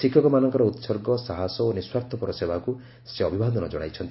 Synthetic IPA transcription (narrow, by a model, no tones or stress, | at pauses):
sikʰjɔkɔmanɔŋkɔɾɔut̪sɔɾɡɔsaɦasɔoniswaɾt̪ʰɔpuɾɔsebʱaku | seɔbʱibʱad̪ɔnɔd͡ʒɔɽ̃a̰jt͡ʃʰɔnt̪